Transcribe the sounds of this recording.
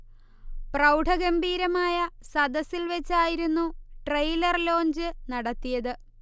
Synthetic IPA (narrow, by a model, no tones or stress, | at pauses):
prɐwɖʰʱɐɡɐmbiːɾɐmaːjɐsɐd̪ɐsilʋet͡ɕːaːjiɾunːuʈrɐjlɐrlo̞ːɲd͡ʑɨnɐɽɐt̪ːijɐðɨ